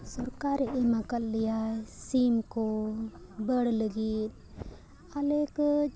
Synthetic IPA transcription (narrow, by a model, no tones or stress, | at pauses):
sɔɾkaɾɛʔɛmakalːijasimkɔ | bəɽləɡit̪̚ | alɛkə